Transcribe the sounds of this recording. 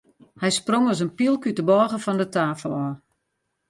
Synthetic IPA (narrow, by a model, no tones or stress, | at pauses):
hɛjsproŋɔs̬ənpilˠkytəbɔːɣəfɔndətaːfəlˠɔː